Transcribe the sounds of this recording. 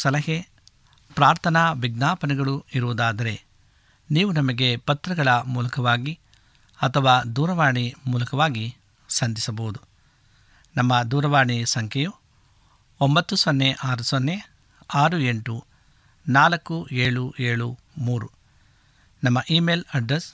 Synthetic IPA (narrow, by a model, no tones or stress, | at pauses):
sɐlɐɦe | pɾaːɾt̪ʰɐnaʋiɡnaːpɐnɛɡɐɭuiɾuʋɐd̪aːd̪ɐɾe̞ | niːʋunɐmɐɡe̞pɐt̪ɾɐɡɐɭɐmuːlɐkɐʋaːɡi | ɐt̪ʰɐʋaːd̪uːɾɐʋaːɳimuːlɐkɐʋaːɡi | sɐnd̪isɐboːud̪u | nɐmːɐd̪uːɾɐʋaːɳisɐŋkʰɛju | ombɐt̪ːusonːeʔaːɾusonːe̞ | aːɾue̞ɳʈu | naːlɐkːueːɭueːɭu | muːɾu | nɐmːɐʔiːmeːlɐɖɾes